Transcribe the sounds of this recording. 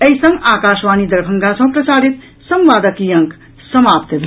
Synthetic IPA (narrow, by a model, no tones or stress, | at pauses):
əjsʌ̃ŋɡakaʃʋaːnid̪əɾbʱʌŋɡasʌ̃w̃pɾʌsaɾit̪ | sʌmʋaːd̪əkijʌŋk | sʌmapt̪b